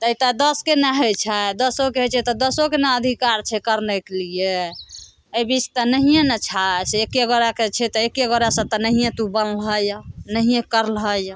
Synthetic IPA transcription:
t̪əit̪əd̪əskenaɦət͡ʃʰɛd̪əsokeɦot͡ʃʰɛt̪ɔd̪əsokenaəd̪ʱikaɾt͡ʃʰɛkəɾnekelije | əjbit͡ʃt̪ɔnəɦijẽnət͡ʃʰasekeɡoɾaket͡ʃʰɛt̪ɔekeɡoɾasə̃t̪ɔnəɦijẽt̪ubənlɦəjnəɦijẽkəɾlɦəj

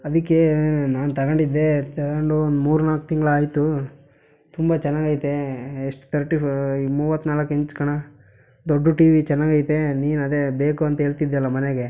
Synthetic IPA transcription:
ɐd̪ikːenaːnt̪ɐɡɐɳɖid̪ːet̪ɐɡɐɳɖuond̪umuːɾunaːkut̪iŋɡɐɭaːjt̪u | t̪umbat͡ʃɛnːaːɡaːjit̪eːʂʈt̪ʰɐɾʈimuːʋɐt̪ːnaːlɐkːeɲt͡ʃkɐɳɐ | d̪oɖːuʈiːʋit͡ʃɛnːaːɡaːjt̪eniːnɐd̪e̞be̞ːkuɐnt̪ɐɦeːɭt̪id̪ːɛlːɐmɐneɡe

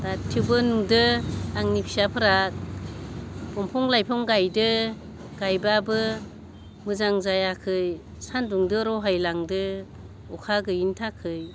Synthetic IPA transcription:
datʰiwbɯnuŋdɯaŋnipʰi̥sapʰɯɾak̚ | b̥ɔmpʰɔŋlajpʰɔŋɡajdɯ | ɡ̥ajbabɯ | mɯzaŋzajakʰɯj | sanduŋdɯɾɔɦajlaŋdɯ | ɔkʰaɡɯintʰakʰɯj

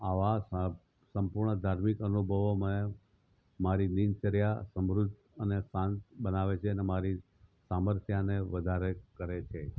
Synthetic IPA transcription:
aʋa | sə̃mpuɾɳəd̪ʱaɾmikənubʱəʋoməne | maɾid̪int͡ʃəɾjasəmɾud̪ | ənesãnt̪bənaʋet͡ʃʰeənemaɾi | saməɾt̪ʰjaneʋəd̪ʱaɾekəɾet͡ʃʰe

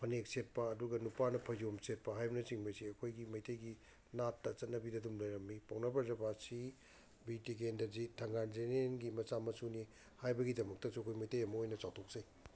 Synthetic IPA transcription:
pʰɐnek̚set̚pɐːduɡɐnupanɐpʰɐjomset̚pɐɦajbɐnɐsiŋbɐjsiɐkʰojɡimɐjtʰejɡi | natːɐt͡ʃɐt̚nɐbidɐdumlɐjɾɐmːipawnɐbɐɾzɐbasi | bitikendɐzitʰɐŋɡanenenɡimɐsamɐsuni | hajbɐɡidɐmɐk̚tɐsuɐkʰojmɐjtʰejɐmɐojnɐt͡ʃawtʰok̚sej

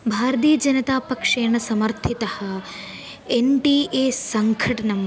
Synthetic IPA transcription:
bʱaːɾɐt̪̬iːjɐd͡ʒɐnɐt̪aːpɐkʂeːɳɐsɐmɐɾt̪ʰit̪ɐhɐ̆ | eɳʈiʔeːsɐŋkʰɐʈɐnɐm

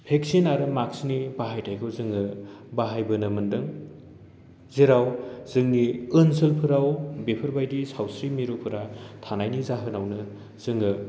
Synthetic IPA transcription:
pʰeksinaɾɯmaksnibaɦajtʰajkʰɯwzɯŋɯ | baɦajbɯnɐmɯndɯŋ | zeɾawz̥ɯŋniɯnsɯlpʰɯɾawbepʰɯɾbajdisawsɾimiɾopʰɯɾatʰanajnizaɦɯnawnɯ | z̥ɯŋɯ

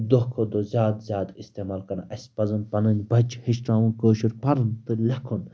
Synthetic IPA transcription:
d̪oɦkʰod̪ozʲjaːd̪zʲjaːd̪ist̪eːmaːlkɐnaʔɐsʲpɐzɨnpɐnɨnʲbɐt͡ʃhiʃʈãːʋunkoːʃiɾpɐɾɨnt̪ɨlɐkʰun

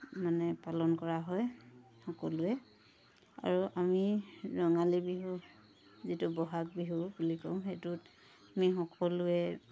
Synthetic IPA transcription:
manɛpalɔnkɔɹaɦɔj | xɔkɔlʊɛ | a̰ɹuʔamiɹɔŋalibiɦu | zitubɔɦak̚biɦubulikɔw̃xetut | amixɔkɔluɛ

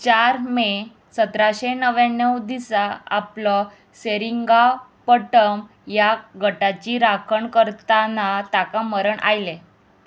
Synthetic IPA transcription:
t͡ɕaɾme | sət̪ɾaɕenəʋanːəwd̪isaa̰plɔ | seɾiŋɡapəʈəm | jaɡʱəʈat͡ɕiɾakʰəɳkəɾt̪anat̪akãməɾəɳʔa̰jle

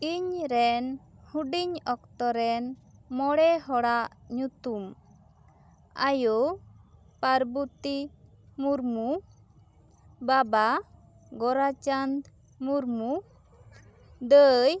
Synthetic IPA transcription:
iɲɾɛnhuɖiɲɔkt̪ɔɾɛnmɔɽɛɦɔɽaʔɲut̪um | ajo | paɾbut̪i | muɾmu | baba | ɡɔɾat͡ʃand̪ | muɾmu | d̪əj

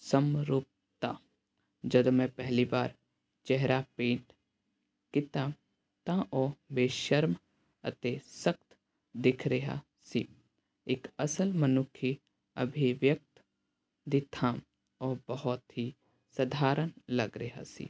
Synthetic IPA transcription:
səmɾuːp̚ | t̪aː | d͡ʒɐd̪omɛ̃pɛɦlibaːɾ | t͡ʃɛɦɾapẽːʈ | kɪt̪a | t̪ãʔɔːbeːʃəɾm | ə̰t̪esəkt̪ | d̪ɪkʰɾɐɦa̰ | sḭː | ɪkəsəlmənʊkʰi | ə̰bʱiʋjək̚t̪ | d̪ɪt̪ʰã | ɔːɾbɐɦɔt̪ɦi | sɐd̪ʱaːɾənlɐɡɾɐɦa̰sḭː

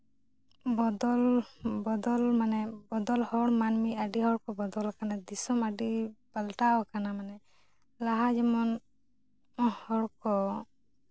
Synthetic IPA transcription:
bɔd̪ɔlbɔd̪ɔlmanɛbɔd̪ɔlhɔɽmanmiaɖihɔɽkɔbɔd̪ɔlkanad̪isɔmaɖipalʈaɔkanamanɛ | laɦad͡ʒɛmɔn | hɔɽkɔ

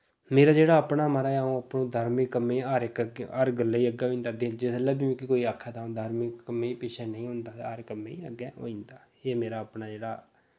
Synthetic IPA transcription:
meːɾaːd͡ʒeːɽaːəpɳaːməɾaːaõːapnõːd̪ʱaːɾmikəmːẽːaːɾɪkɡaːɾɡəlːaːiːəɡːɛːɦoiːnd̪aːd̪ɪnd͡ʒɪslɛːbiːmĩːkɪkoːiːaːkʰːɛːt̪aːõːd̪ʱaːɾmikəmːẽːpɪʃʰɛːnəĩːɦʊ̃nd̪aːaːɾkəmːeːiːə̰ɡɛːɦo̰ːĩːnd̪aː | eːmeːɾaːəpɳaːd͡ʒeːɽaː

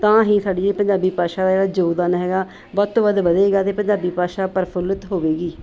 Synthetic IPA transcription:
t̪ãːɦĩːsaːɖiːeːpə̃ɲd͡ʒaːbiːpaːʃaːd̪eːɽaːd͡ʒoːd̪aːnɦɛːɡaː | bɔːt̪ːʋəd̪ʋəd̪eːɡaːt̪eːpəɲd͡ʒaːbiːpaːʃaːpəɾpʰʊlət̪ɦoːʋeːɡiː

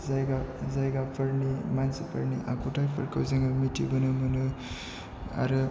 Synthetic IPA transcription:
zajɡazajɡapʰɐɾnimansipʰɐɾniʔa̰kʰutʰajpʰɐɾkʰawzaŋɡɐmitʰibɯnɯmɐnɯ | a̰ɾɯ

